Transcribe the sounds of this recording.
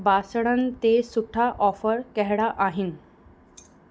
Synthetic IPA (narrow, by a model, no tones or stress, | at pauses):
basɽənt̪esuʈʰaʔɔfəɾkɛɦɽaʔaɦin